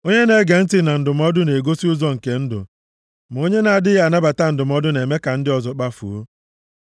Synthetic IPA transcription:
o˦ɲe˦ne˦ɡe˨n̩˦tɪ˦na˨n̩˨dʊ˨m˦ɔ˦dʊ˦ne˨ɡo˦si˦ʊ˦zɔ˦ŋ̩˨ke˨n̩˦dʊ̰˨ | m˨o˦ɲe˦na˨a˨dɪ˦ɣa˦˨na˦ba˨ta˦n̩˨dʊ˨m˦ɔ˦dʊ˦ne˨me˦ka˨n̩˦dɪ˦ɔ˨zɔ˨k͡pa˦fṵ˨o˦

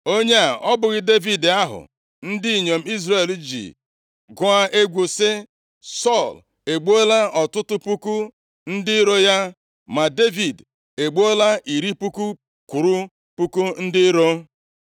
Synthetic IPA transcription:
o˦ɲe˦a˨ʔɔ˦bʊ˨ɣɪ˦de˦vi˨da˦ɦʊ̰˨ | n̩˦di˦i˨ɲo˨m̩˦i˦zre˦˨ld͡ʒḭ˨ | ɡʊ˨a˦ʔe˦ɡʷo˨sɪ˦ | sɔ˦˨l | e˨ɡ͡bo˦la˦ɔ˨tʊ˦tʊ˦pu˦ku˦ | n̩˦dɪ˦ɾo˦ja˦ | ma˨de˦vi˨d | e˨ɡ͡bo˦la˦i˨ɾi˦pu˦ku˦ | ku˨ɾu˦ | pu˦ku˦n̩˦dɪ˦ɾo˦

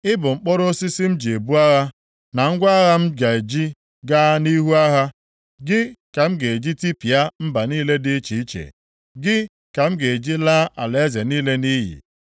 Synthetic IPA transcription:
ɪ˦bʊ˨ŋ͡m̩˨k͡pɔ˦ɾo˦si˦si˦m̩˦d͡ʒe˨bu˦a˦ɣa˦ | na˨ŋ̩˦ɡʷa˦ɣa˦m̩˦d͡ʒa˨e˨d͡ʒi˦ | ɡa˦ni˦ɦu˦a˦ɦa˦ | ɡɪ˦ka˨m̩˦ɡe˨e˨d͡ʒi˦ti˦pi˨a˦m̩˦ba˨niː˦le˦dɪ˦t͡ʃi˨i˦t͡ʃḛ˨ | ɡɪ˦ | ka˨m̩˦ɡe˨e˨d͡ʒi˦la˦ʔa̰˨le˨e˦ze˨niː˦le˦ni˦jḭ˨

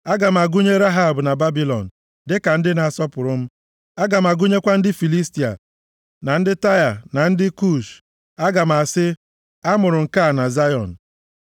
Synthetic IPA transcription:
a˦ɡa˨m̩˨a˨ɡu˦ɲe˦ɾa˦ɦa˦˨bna˨ba˦bi˦lɔ̰˨n̩˨ | dɪ˦ka˨n̩˦dɪ˦na˨a˨sɔ˦pʊ˨ɾʊ˦m̩˦ | a˦ɡa˨m̩˨a˨ɡu˦ɲe˦kʷa˦n̩˦dɪ˦fi˨li˦sti˨a̰˨ | na˨n̩˦dɪ˦ta˦ja˨na˨n̩˦dɪ˦ku˦˨ʃ | a˦ɡa˨m̩˨a˨sɪ˦ | a˦mʊ˨ɾʊ˨ŋ̩˨ka˦˨na˨za˦jɔ̰˨n̩˨

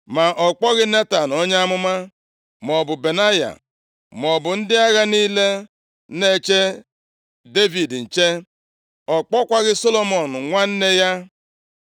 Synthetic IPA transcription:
ma˨ʔɔ˨k͡pɔ˦ɣɪ˦ne˦ta˨n˨o˦ɲa˦a˦mʊ˦ma˦ | m˨ɔ˨bʊ˨be˨na˦ja̰˨ | m˨ɔ˨bʊ˨n̩˦dɪ˦a˦ɣa˦niː˦le˦ | ne˦˨t͡ʃe˦ | de˦vi˨dn̩˨t͡ʃe˦ | ɔ˨k͡pɔ˦kʷa˦ɣɪ˦so˦lo˦mɔ˨n̩˨ŋʷa˦n̩˦ne˦ja˦

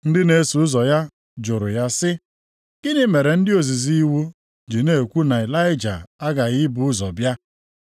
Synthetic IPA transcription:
n̩˦dɪ˦ne˨˦su˨ʊ˦zɔ˨ja˦ | d͡ʒʊ˨ɾʊ˨ja˦sɪ˦ | ɡ̥ɪ˦nɪ˦me˨ɾe˨n̩˦dɪ˦o˨zi˨zi˦wu˦ | d͡ʒi˨ne˦˨kʷu˦na˨ɪ˨la˦ɪ˦d͡ʒa̰˨a˦ɡa˨ɣɪ˦bʊ˨ʊ˦zɔ˨bja˦

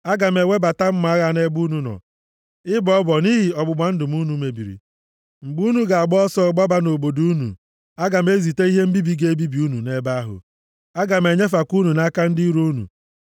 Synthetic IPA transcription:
a˦ɡa˨me˨we˦ba˨ta˦m̩˦ma˨a˦ɣa˦˨ne˦ɡ͡bu˦nu˨nɔ̰˨ | ɪ˦bɔ˨˦bɔ˨ni˦ɦi˨ɔ˨ɡ͡bʊ˨ɡ͡ba˨n̩˦dʊ˨mu˦nu˨me˨bi˨ɾḭ˨ | ŋ͡m̩˨ɡ͡bu˦nu˦ɡa˨a˨ɡ͡bɔ˦ɔ˦sɔ˦˨ɡ͡ba˦ba˦no˨bo˨du˦u˦nṵ˨ | a˦ɡa˨me˦zi˨te˦i˦ɦe˦m̩˦bi˦bi˦ɡe˦e˦bi˦bi˨u˦nu˨ne˦ba˦a˦ɦʊ̰˨ | a˦ɡa˨me˨ɲe˦f̬a˨ku˦nu˨na˦ka˦n̩˦di˦ɾu˦u˦nṵ˨

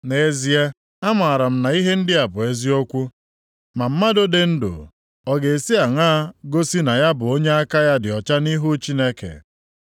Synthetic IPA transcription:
ne˨zi˨e˦ | a˦ma˨a˨ɾa˨m̩˦na˨i˦ɦe˦n̩˦dɪ˦a˨bʊ˨e˦zi˦o˦kʷu˦ | ma˨m̩˦ma˦do˦de˨n̩˦dʊ̰˨ | ɔ˨ɡe˨e˨si˦a˨ŋaː˦ɡo˦si˦na˨ja˦bʊ˨o˦ɲe˦a˦ka˦ja˦dɪ˨ɔ˨t͡ʃa˦ni˦ɦu˦t͡ʃi˦ne˦kḛ˨

